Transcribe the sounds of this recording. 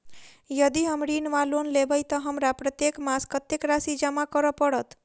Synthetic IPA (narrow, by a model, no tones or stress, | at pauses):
jʌd̪iɦəmɽinʋalonlebəjt̪ɔɦəmɾapɾət̪jekmaskət̪jekɾasid͡ʒəmakəɾəpəɽət̪